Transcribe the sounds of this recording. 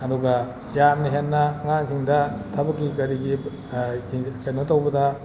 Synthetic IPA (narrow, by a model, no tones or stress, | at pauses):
ɐduɡɐ | janiɦenːɐŋansiŋdɐtʰɐbɐkːiɡɐɾiɡi | t͡ʃennɐtawbɐdɐ